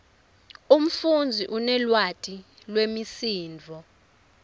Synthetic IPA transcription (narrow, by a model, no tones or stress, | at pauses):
um̩fund͡zʱiʔunɛlwatʼi | lwemisiːnd͡vʱɔ